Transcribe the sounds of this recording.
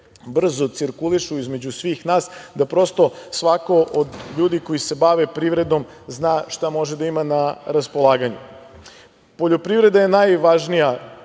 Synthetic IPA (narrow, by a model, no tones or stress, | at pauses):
br̩zot̪siɾkuliʃuizme̞d͡ʑusʋiːxnaːsd̪apɾo̞st̪o̞sʋako̞ʔod̪ʎuːd̪iko̞jise̞baʋepɾiʋɾe̞d̪o̞m | znaːʃt̪amo̞ʒed̪aimanaɾaspo̞lˠaːɡaɲṵ | poʎo̞pɾivɾe̞d̪aje̞najʋaʒnija